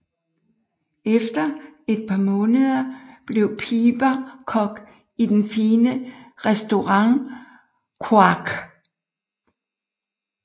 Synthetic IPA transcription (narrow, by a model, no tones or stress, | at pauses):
efd̥ɐe̝d̥̚pʰɑ̈mɔ̽ːnəð̞ˠɐb̥le̝ʊpʰiːb̥ækʰɒ̽ɡ̥ | id̥enfiːnəʁɛsd̥o̝ʁɑ̈ŋ | kʰuɑɡ̥